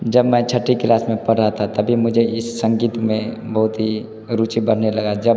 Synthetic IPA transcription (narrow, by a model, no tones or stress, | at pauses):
d͡ʒəbmɛ̃ːt͡ʃʰəʈːiklaːsmẽpəɽɾat̪ʰat̪ɐbʱimʊd͡ʒʱeɪsːə̃ŋɡiːt̪mẽbəɦʊt̪ɦi | ɾuːt͡ʃibəɽ̤nelɐɡad͡ʒə